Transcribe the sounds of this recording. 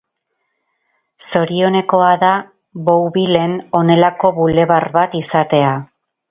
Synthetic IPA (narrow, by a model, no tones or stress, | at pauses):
so̞ɾio̞ne̞ko̞aða | βowβile̞no̞ne̞lako̞βule̞βarβat̪isat̪e̞a